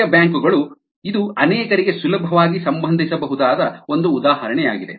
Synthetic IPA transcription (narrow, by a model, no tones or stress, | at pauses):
ɐbjaːŋkuɡɐɭu | id̪uɐnɛːkɐɾiɡe̞sulɐbʱɐʋaːɡisɐmbɐnd̪ʱisɐbɐɦud̪aːd̪ɐo̞nd̪uːd̪aːɦɐɾɐɳɛjaːɡid̪e̞̰